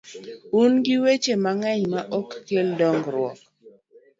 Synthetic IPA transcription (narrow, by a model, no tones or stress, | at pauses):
unɡɪwet͡ʃemaŋɛɲmaʔɔkːeldɔŋɡɾwɔk